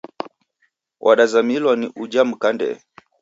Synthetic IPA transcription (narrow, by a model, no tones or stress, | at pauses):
wʔaɗazamilwaniʔud͡ʒam̩kandɛ̰